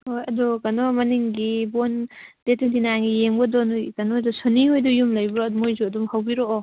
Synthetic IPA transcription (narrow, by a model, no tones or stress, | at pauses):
hojɐdɔkɐnɔmɐniŋɡibond̥etindinaŋɡijeŋbɔdɔnujkɐnodɔsoniɦojdɔjumlɐjbɾɔdmojzuɐdumhawbiɾoː